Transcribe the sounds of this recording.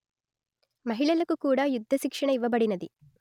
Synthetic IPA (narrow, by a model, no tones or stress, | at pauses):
mɐɦiɭɐlɐkːukuːɽajud̪ʱːɐʃikʂɐɳɐiʋɐb̬ɐɽinɐd̪i